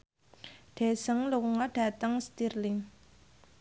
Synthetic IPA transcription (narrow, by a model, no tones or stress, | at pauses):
ɖ̪̥e̤səŋluwuŋɔɖ̥a̤t̪əŋst̪irlɪŋ